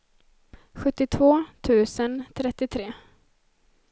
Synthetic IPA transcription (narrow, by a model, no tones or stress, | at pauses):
ɧɵt̪ːɪt̪ʰvoːt̪ʰʉ̟ːsənt̪ʰɾɛt̪ːɪt̪ʰɾeː